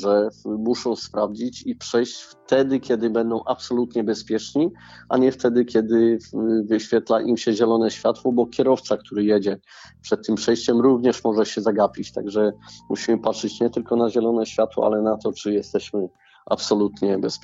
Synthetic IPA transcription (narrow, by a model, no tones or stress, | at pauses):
ʐɛmuʂɔ̃w̃spɾavd͡ʑit͡ɕipʂɛjt͡ɕft̪ɛd̪ɘkʲɛd̪ɘbɛnd̪ɔ̃w̃ʔapsɔlut̪ɲɛbɛspʲjɛt͡ʂɲiaɲɛft̪ɛd̪ɘkʲjɛd̪ɘvɘɕfʲjɛt̪laʔimɕɛʑɛlɔnɛɕfʲjat̪wɔbɔkʲjɛɾɔft̪sak̚t̪ʰuɾɘjɛd͡ʑɛ | pʂɛt̪̚ːɘmpʂɛjɕt͡ɕɛmɾuvɲɛʂmɔʐɛɕɛzaɡapʲit͡ɕt̪aɡʐɛmṵɕimɘpatʂɘt͡ɕɲɛt̪ɘlkɔnaʑɛlɔnɛɕfʲjat̪wɔ̰a̰lɛnat̪ɔt͡ʂɘjɛst̪ɛɕmɘ | a̰psɔlut̪ɲɛbɛspʲ